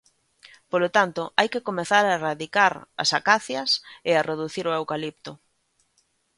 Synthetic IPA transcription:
polot̪ant̪ʊʔajkɪkomeθaɾaeraðikaɾɐ̰sakaθjɐseareðuθiɾoewkalip̚t̪ʊ

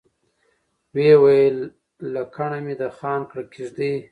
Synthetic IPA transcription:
wewajəlː | akʰaɳamid̪axɑːnkɽakiʒd̪i

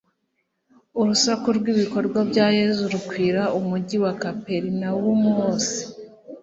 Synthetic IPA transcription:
uɾusakuɾɡwiβiko̞ɾɡwabɟaːje̞zuɾukwiːɾaumuɟiwakape̞ɾinawumuoːsi̥

